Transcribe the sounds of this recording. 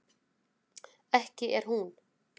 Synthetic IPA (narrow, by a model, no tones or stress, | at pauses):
ɛhcɪʔɛɾ̥hun